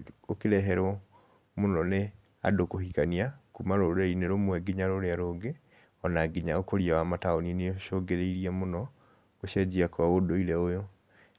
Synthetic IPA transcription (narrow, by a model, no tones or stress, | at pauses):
okeɾɛɦɛɾɔ | monɔne | a̰dokohikaniakumaɾoɾeineɾomwɛɡiɲaɾoɾeaɾoɡe | ɔnaɡiɲaokoɾiawamataonineoʃoɡeɾeiɾiɛmonɔ | ɡoʃɛd͡ʑiakwaodoiɾɛojo